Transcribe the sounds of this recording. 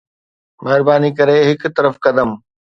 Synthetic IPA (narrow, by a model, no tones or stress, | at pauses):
mɛɦɪɾbaːnikɐɾeɦɪkt̪ɐɾəfkɐd̪əm